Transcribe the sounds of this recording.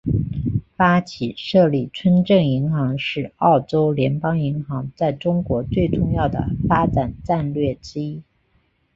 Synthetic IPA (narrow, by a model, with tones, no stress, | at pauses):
fa˥t͡ɕʰi˨˩ʂɤ˥˧li˥˩ʈ͡ʂʰwə˥nʈ͡ʂɤ˥˩ŋi˧˥ŋxɑ˧˥ŋʂɻ̩˥˧ɑ˥˩ʊʈ͡ʂo˥ʊljɛ˧˥npɑ˥ŋi˧˥ŋxɑ˧˥ŋt͡sa˥˩ɪʈ͡ʂʊ˥ŋkwɔ˧˥t͡swe˥˧ɪʈ͡ʂʊ˥˧ŋjɑ˥˩ʊd̪ə̰˩fa˥ʈ͡ʂa˨˩nʈ͡ʂa˥˧nlɥɛ˥˩ʈ͡ʂɻ̩˥i˥